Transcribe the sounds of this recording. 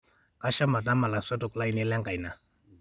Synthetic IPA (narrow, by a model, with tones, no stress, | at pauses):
a˦ʃa˦ma˨ta˦ma˨la˨sɔ˦tu˨kla˦jni˦lɛ˦ŋɡa˨jna˨